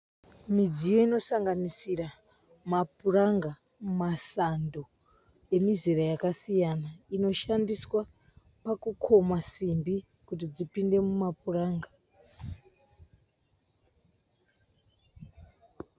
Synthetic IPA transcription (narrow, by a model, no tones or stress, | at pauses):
mid͡zijo̞ino̞saŋɡanisira | mapuraŋɡa | mumasando | e̞mizirajakasijanaino̞ʃandiswa | pakukʰo̞masimbi | kut̬id͡zipinde̞mumapuraːŋɡa